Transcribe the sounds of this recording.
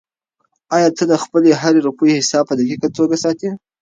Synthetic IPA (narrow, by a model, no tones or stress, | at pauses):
ɑjɑt̪əd̪əxpəleɦaɾeɾupujihɪsɑb̚pəd̪akikət̪oɡasɑt̪i